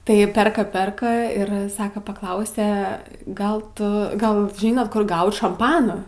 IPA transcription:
tɐɪ ˈpʲɛrkɐ ˈpʲɛrkɐ ɪr ˈsɑːkɐ pɐˈklˠɐʊsʲeː ˈɡɐlˠ ˈtʊ ˈɡɐlˠ ˈʒʲiːnoːt ˈkʊr ˈɡɐʊt ʃɐmˈpɑːnoː

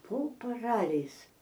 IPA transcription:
poː pɐˈrɑːlʲɛɪs

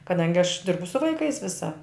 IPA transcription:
kɐˈdɐŋʲɡʲɪ ɐʃ ˈdʲɪrbʊ sʊ ʋɐɪˈkɐɪs ˈʋʲɪsɐ

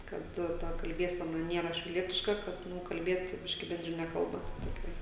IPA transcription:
kɐt ˈtɐ kɐlʲˈbʲiɛsʲɛnɐ ˈnʲiɛrɐ ʃʲɛʊˈlʲiɛtʲɪʃkɐ ˈkɐt ˈnʊ kɐlʲˈbʲiɛt ˈbʲɪʃʲkʲɪ bʲɛnʲdʲrʲɪˈnʲɛ ˈkɐlˠbɐ tɐ toːˈkʲɛ

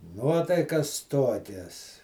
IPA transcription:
ˈnuɔtɐɪkɐs ˈtoːkʲɛs

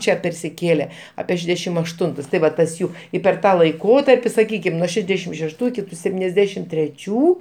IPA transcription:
ˈt͡ʃʲɛ pʲɛrʲsʲɪˈkʲeːlʲɛ ɐpʲiɛ ˈʃʲæːdʲɛʃʲɪm ɐʃˈtʊntʊs tɐɪ ˈʋɐ ˈtɐs ˈjuː ɪ pʲɛr ˈtɑː lˠɐɪˈkoːtɐrʲpʲɪ sɐˈkʲiːkʲɪm nuɔ ˈʃʲæːdʲɛʃʲɪm ʃʲɛʃˈtuː ɪˈkʲɪ sʲɛpʲˈtʲiːnʲɛzʲˌdʲæːʃʲɪm tʲrʲɛˈt͡ʃʲuː

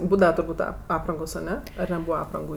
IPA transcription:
ˈbuːdɐʋɐ tʊrˈbuːtʲ ɐ ˈɑːprɐŋɡoːs ɐˈnʲɛ ɐr nʲɛˈbuːʋɐ ˈɑːprɐŋɡʊ

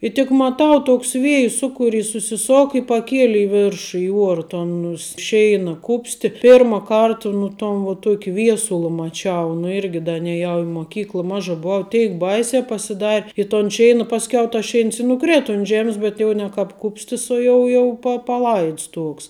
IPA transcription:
ɪ tʲɪk mɐˈtɐʊ ˈtoːks ʋʲeːjʊ ˈsʊkʊˌrʲɪs sʊsʲɪˈsoːk ɪ pɐˈkʲiɛlʲɪ ɪ ˈʋʲɛrʃʊ ɪ ˈuɔrɐ ˈtoːn ʊs ˈʃʲɛɪnɐ ˈkʊpʲsʲtʲɪ ˈpʲɪrmɐ ˈkɐrtɐ nʊ ˈtoːn ʋoː ˈtuɔkʲɪ ˈʋʲiɛsʊlˠɐ mɐˈt͡ʃʲɛʊ nʊ ˈɪrʲɡʲɪ ˈdɐ nʲɛˈjɛʊ ɪ moːˈkʲiːklˠɐ ˈmɑːʒɐ bʊˈɐʊ ˈtʲɛɪk ˈbɐɪsʲæː pɐsʲɪˈdɐrʲ ɪ toːn ˈʃʲɛɪnɐ pɐsʲˈkʲɛʊ tɐs ˈʃʲɛɪns ɪ nʊˈkrʲeːtɐ ʊn ˈʒʲæːmʲɪs bʲɛt ˈjɛʊ nʲɛ kɑːp ˈkʊpʲsʲtʲɪs oː ˈjɛʊ jɛʊ pɐ pɐˈlˠɐɪts ˈtuɔks

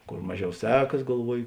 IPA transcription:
ˈkoːr ˈmɑːˌʒʲɛʊ ˈsʲæːkɐs ɡɐlˠˈʋuɔjɪ

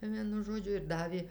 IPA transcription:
ˈʋʲiɛnʊ ˈʒoːd͡ʒʲʊ ɪr ˈdɑːʋʲeː

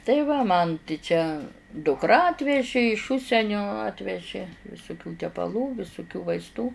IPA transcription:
tɐɪ ˈʋɐ mɐn tʲɪ ˈt͡ʃʲɛ dʊkˈrɐ ɐtʲʋʲɛʒʲɪ ɪʃ ˈʊʃʲsʲɛnʲoː ˈɑːtʲʋʲɛʒʲɪ ʋʲɪsʊˈkʲuː tʲɛpɐˈlˠuː ʋʲɪsʊˈkʲuː ʋɐɪsˈtuː

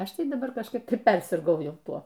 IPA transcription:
ˈɐʃ ˈtɐɪ dɐˈbɐr kɐʃˈkɐɪp ˈtɐɪ ˈpʲɛrʲsʲɪrɡɐʊ ˈjɛʊ ˈtuɔ

